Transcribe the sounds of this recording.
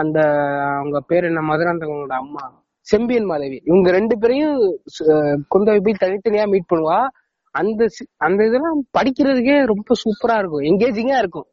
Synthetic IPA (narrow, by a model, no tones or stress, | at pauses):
ɐnd̪ɐɐʋɐŋɡɐpeːɾɛnːɐmɐðɯɾaːnd̪ɐɡɐoːɽɐɐmːaː | sɛmbɪjɐnmaːðɐʋiɪʋɐŋɡɐɾɛɳɖɯp̬ɛːɾɐjʊ̃ | kɔnd̪ɐʋɪp̬ːɐjit̪ɐnɪt̪ːɐnɪjaːmiːʈ̚pɐɳːɯʋaː | ɐnd̪ɐsɐnd̪ɐɪðɐlãːpɐɽɪkʲːɪɾɐðɯkːeːɾɔmbɐsuːpːɐɾaːɪɾɯk̬ːʊ̃ɛŋɡeːd͡ʒɪŋɡaːɪɾɯkːʊ̃